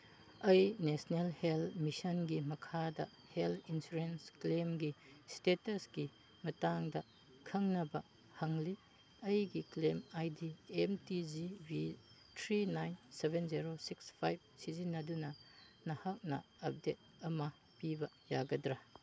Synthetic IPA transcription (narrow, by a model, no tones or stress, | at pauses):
ɐjnesnelhelmisɐnɡimɐkʰadɐ̰ | heltʰinsuɾensklemɡistetɐsɡi | mɐtaŋdɐ | kʰɐŋnɐbɐ | hɐŋli | ɐjɡiklemajdiemtizibi | tʰɾinajnsebenziɾosikspʰajb̚sizinːɐdunɐnɐhak̚nɐɐp̚det̚ɐmɐ | pibɐ | jaɡɐdɾa